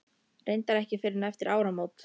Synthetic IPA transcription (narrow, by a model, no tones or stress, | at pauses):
rʔejnt̪aɾɛhcɪfɪɾɪnaɛft̪ɪɾʔaːwɾamowt̪